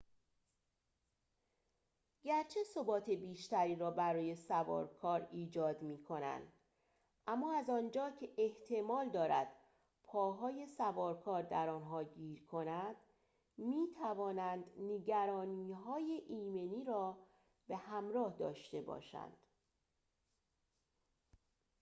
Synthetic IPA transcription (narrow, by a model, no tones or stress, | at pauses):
ɟæɾt͡ʃʰe̞so̞bɒːt̪ʰebiːʃt̪æɾiːɾɒːbæɾɒːje̞sævɒ̰ːɾkʰɒːɾiːd͡ʒɒːd̪miːkʰo̞næ̰nd̪ | ʔæmːɒːæzɒːnd͡ʒɒːcʰe̞ʔeht̪ʰe̞mɒːld̪ɒːɾæ̰d̪̥ | pʰɒːɦɒːje̞sævɒːɾkʰɒːɾd̪æɾɒːnɦɒːɟiːɾkʰo̞næd̪̥ | miːt̪ʰævɒːnænd̪neɟæɾɒːniːɦɒːjeʔiːme̞niːɾɒː | b̥e̞hæmɾɒːhd̪ɒ̰ːʃt̪e̞bɒ̰ːʃæ̰nd̪̥